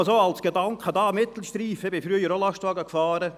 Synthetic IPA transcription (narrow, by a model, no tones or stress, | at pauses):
soɑlsɡ̥edɑŋkχəd̪ɑːmɪt̪l̩ˠʃtɾiːfəebɪfɾyəjəɾolɑʃtʋɑːɡəkfɑːɾə